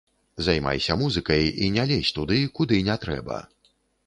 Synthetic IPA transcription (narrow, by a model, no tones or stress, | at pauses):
zajma̰jsʲɐmuzɨkɐjinʲalʲesʲt̪ud̪ɨkud̪ɨnʲɛt̪ɾɛ̰bɐ̰